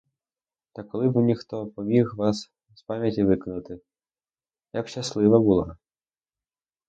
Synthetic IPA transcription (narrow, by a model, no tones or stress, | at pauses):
t̪ɐkɔlˠɨbnʲixt̪ɔpɐmʲixvas | spamʲjɐtʲivɨknut̪ɪ | jɐpʃaslˠɨvɐbulˠa